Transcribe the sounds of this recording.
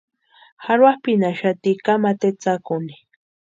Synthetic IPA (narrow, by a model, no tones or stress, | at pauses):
xaɾwahpinaʃat̪ikamat̪et͡sakʊni